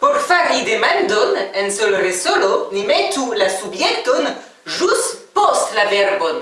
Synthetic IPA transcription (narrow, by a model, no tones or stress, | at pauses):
poɾfaɾid̪emand̪onensolresolonimet̪ulasubjekt̪on | ʒustpostlaveɾbon